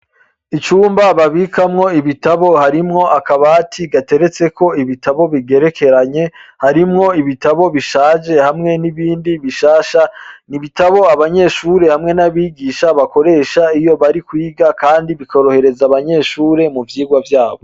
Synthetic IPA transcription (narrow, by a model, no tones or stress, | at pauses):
it͡ʃuːmbaβaβikʰamŋo̞iβitaβo̞haɾimŋo̞ʔakaβatʰiɡate̞ɾe̞t͡se̞ko̞iβitaβo̞βiɡe̞ɾe̞ke̞ɾaɲe̞haɾimŋo̞iβitaβo̞βiʃaːd͡ʒe̞hamŋe̞niβiːndiβiʃaːʃaniβitaβo̞aβaɲe̞ʃuɾe̞hamŋe̞naβiːɡiːʃaβako̞ɾe̞ːʃaijo̞βaɾikwiːɡakaːndiβiko̞ɾo̞he̞ɾe̞zaβaɲe̞ʃuːɾe̞muvjiːɡwavjaːβo̞